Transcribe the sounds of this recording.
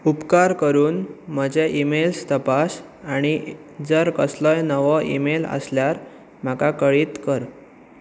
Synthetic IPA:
upkaɾkəɾuːnm̤əd͡ʑeʔimelst̪əpas | aɽ̃i | d͡zəɾkəsləjnəʋəʔḭmelə̰sljaɾ | m̤akakəɭiːt̪kəɾ

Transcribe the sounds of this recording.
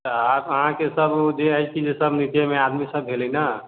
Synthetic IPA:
t̪əabəɦãkesəbd͡ʒeət͡ʃid͡ʒesəbnit̪emead̪misəbɦeləina

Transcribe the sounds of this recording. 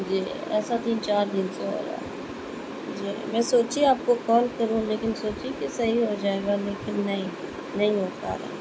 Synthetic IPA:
d͡ʒiːɛsat̪iːnt͡ʃaːɾd̪ɪnsõɦo̰ːɾa̰ː | d͡ʒiːmɛ̃ːsoːt͡ʃiaːp̚kokɔːlkəɾũːleːkɪnsoːt͡ʃikesɐɦiɦod͡ʒaːeːɡaːleːkɪnːɐɦĩ | nɐɦĩɦoːka̰ːɾa̰ː

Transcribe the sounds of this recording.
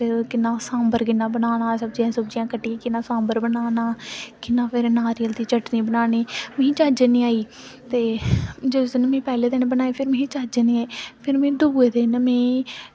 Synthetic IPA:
pʰɪɾkɪnãːsãːmbəɾkɪnãːbənaːnãːsəbd͡ʒiãːsəbd͡ʒɪjãːkəʈːiãːkɪnãːsãːmbəɾbənaːnaːkɪnːãːpʰɪɾnaːɾɪjəlt̪iːt͡ʃəʈniːbənaːniːmẽĩt͡ʃaːd͡ʒənĩːaːiː | t̪eːd͡ʒesnəmẽːpɛːleːd̪enːbənaːeːpʰɪɾmẽĩːt͡ʃaːd͡ʒnĩːaːiːpʰɪɾmẽːd̪uːeːt̪eːnəmẽː

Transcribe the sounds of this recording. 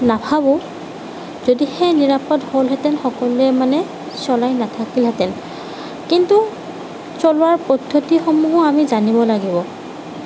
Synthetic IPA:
napʰabɔ | zodixejniɹapɔtholɦɛtɛlxɔkɔlʊɛmanɛ | sɔlajnatʰakilɦɛtɛl | kintu | sɔlʊwaɹpɔdʱːotixɔmuɦɔamizanibɔlaɡibɔ

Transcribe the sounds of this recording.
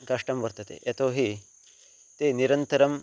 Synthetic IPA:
kɐʂʈɐmʋɐɾt̪ɐt̪ḛʔet̪oːɦi | t̪eːniɾɐnt̪ɐɾɐm

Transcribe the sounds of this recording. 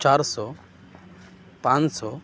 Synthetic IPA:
t͡ʃaɾsɔ | pãnt͡ʃsɔ

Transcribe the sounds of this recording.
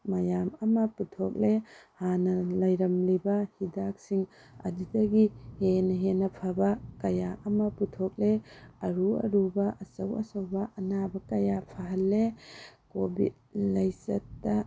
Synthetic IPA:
mɐjamɐmɐputʰok̚lehanɐlɐjɾɐmlibɐhidak̚siŋ | ɐ̰didɐɡihenɐɦenɐpʰabɐkɐjaʔɐmɐputʰok̚leɐɾuɐ̰ɾubɐʔɐsɐwɐ̰sɐwbɐʔɐnabɐkɐjapʰaɦɐlːekobḭd̚ | lajsɐtːɐ

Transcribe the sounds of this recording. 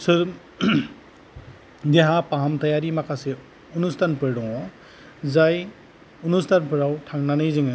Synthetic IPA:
sɯɾ | deɦãpaɦamt̪ajaɾimakʰase | unustʰanpɯɾɽɔwɔ | zaj | unustʰanpɯɾawʈʰaŋnanɯjzɯŋɯ

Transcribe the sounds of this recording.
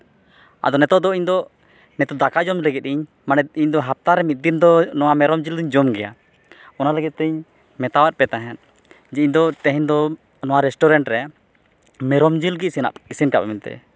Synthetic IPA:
a̰d̪ɔnɛt̪ɔd̪ɔiɲd̪ɔ | nɛt̪ɔd̪akad͡ʒɔmlɛɡɛt̪̚iɲ | manɛiɲd̪ɔɦap̚t̪aɾɛmit̪̚d̪ind̪ɔnɔwamɛɾɔmd͡ʒild̪iɲd͡ʒɔmɡɛja̰ | ɔnalɛɡɛt̪̚t̪ːɛɲ | mɛt̪awat̪̚pɛt̪aɦɛn | d͡ʒɛiɲd̪ɔt̪ɛɦɛnd̪ɔ | nɔwaɾɛsʈɔɾɛɳʈɾɛ | mɛɾɔmd͡ʒilɡisina̰ʔisinkapɛmɛnt̪ɛ̰

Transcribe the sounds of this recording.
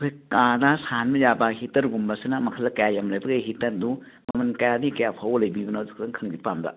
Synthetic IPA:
kʰojkanasanmɐjabahitːɐɾɡumbɐsinɐmɐkʰɐlːɐkɐjajamlɐjbɐɡeɦitɐɾdu | mɐmɐnkɐjanikɐjapʰawɐlɐjbibɐnawzikʰdɐŋkʰɐŋbipambɐ̰

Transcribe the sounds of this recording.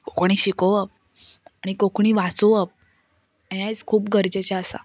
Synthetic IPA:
kokɳ̃iɕikoʋəp̚ | aɽ̃ikokɳ̃iːʋat͡soʋəp̚ | jajt͡skʰuːpɡəɾd͡ʑet͡ɕaəsa̰

